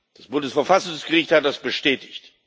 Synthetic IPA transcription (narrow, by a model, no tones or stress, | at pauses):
d̥asb̥ʊndəsfɛɐfasʊŋsɡ̥əʁɪçthat̚d̥asb̥əʃtɛːtɪ̥çt